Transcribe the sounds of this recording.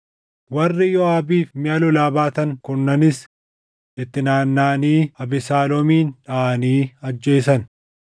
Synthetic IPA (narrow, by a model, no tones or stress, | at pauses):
wɐrːɪjɔaːbiːfmɪaːlʊlaːbaːt̪ɐŋkʊnːɐnɪs | ʔɪt̪ːɪnaːnːaːniːɐbɪsaːlɔmiːnᶑɐɐniːɐd͡ʒːe̞ːsɐn